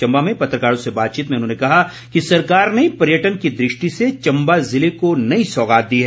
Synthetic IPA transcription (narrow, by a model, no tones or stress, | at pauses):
t͡ʃɐ̃mbamẽpɐt̪ɾəkaːɽõsebaːt̪̚t͡ʃiːt̪mẽʊnɦõːnekɐɦa | kisɐɾkaːɾnepɐɾjəʈənkid̪ɾɪʃʈiset͡ʃɐ̃mbazɪlekonɐĩsɔːɡaːt̪̚d̪iːɦɛː